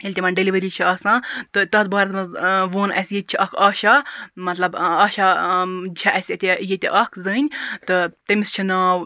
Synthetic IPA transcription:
elʲt̪imɐnɖeliʋɐɾiːt͡ʃʰiaːsãːt̪ɨt̪ɐt̪̚bɐːɾɐsmɐzʋoːnʔɐsʲjet̪̚ʲt͡ʃʰiʔɐkʰaːʃamɐt̪lɐbaːʃat͡ʃʰɐʔɐsʲɐt̪ʲejet̪ʲḛʔɐkʰzɨːnʲt̪ɨt̪emist͡ʃʰinaːw

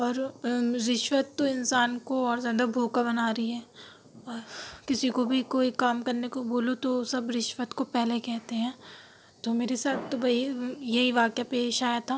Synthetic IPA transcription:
ɔːɾɾɪʃʋət̪ːoɪnsaːnkoɔːɾzjaːd̪abʱoːkabɐnaːɾɐiɦɛː | ɔːɾkɪsikobʱikoːikaːmkɐɾnekoboːlot̪osɐbɾɪʃʋət̪kopɛɦlekɛɦt̪eɦɛ̃ː | t̪omeːɾesaːt̪ʰt̪obʱaijeɦiʋaːkjapeːʃaːjat̪ʰaː

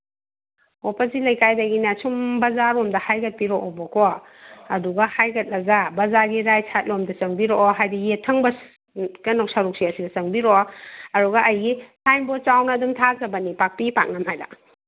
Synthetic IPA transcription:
opɐsilɐjkajdɐɡinɐsumbɐzaɾomdɐhajɡɐt̚piɾoʔobɔkʰo | ɐduɡɐhajɡɐt̚lɐɡabɐzaɾɡiɾajsʰat̚lomdɐsɐŋbiɾoʔɦajdijetʰɐŋbɐ | kɐnok̚saɾuk̚siasiɡɐt͡ʃɐŋbiɾoɐɾuɡɐʔɐjɡisʰajmbɔt͡ʃawnɐdumtʰazɐbɐnipak̚piipa̰k̚nɐmɦajda̰

